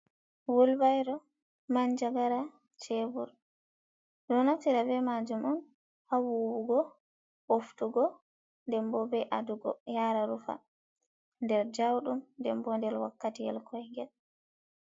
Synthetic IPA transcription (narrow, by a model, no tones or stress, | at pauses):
wulbajɾɔ | maɲd͡ʒaɡaɾa | t͡ʃebuɾ | dɔnaftiɾavɛmad͡ʒumɔm | hawuwuɡɔ | oftuɡɔ | ndɛmbɔbɛʔaduɡɔ̰jaːɾaɾufa̰ | ndɛɾd͡ʒawɗumndɛmbɔndɛlwa̰kːatiɛ̰lkʰɔjŋɡɛl